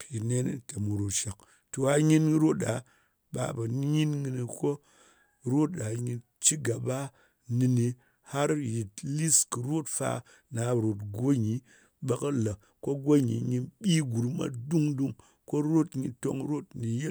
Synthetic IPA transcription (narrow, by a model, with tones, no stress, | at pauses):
pʰi˨ne˦ni˦ta˨mu˨ɾo˨ʃa˨k̚ | to˨a˨ɲi˦n˦ɾo˦t̚a˨˦ | ɓa̰˨˦ba˨n˦ɲi˦nŋi˧ni˧ko˦ | ɾo˦tɗa˨ɲi˧ | t͡ʃi˦ɡa˨ba˦ | ni˧ni˧ | ha˦ɾji˨tli˦skɨ˨ɾo˦tfa̰˦ | na˨˦˨ɾo˨tɡo˦ɲi˨ | ɓa˦ka˦la˨ | ko˦ɡo˦ɲḭ˨ɲi˧nɓʲi˦ɡu˨ɾma̰˨du˦ŋdu˦ŋ | ko˦ɾo˦tɲi˨to̰˦ŋɾo˦tni˨je˦